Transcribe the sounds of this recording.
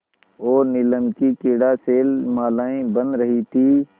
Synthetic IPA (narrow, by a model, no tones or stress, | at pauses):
oːɾnɪləmkikɪɽaseːlmaːlaːĩbə̃nd̪ɾəɦit̪ʰiː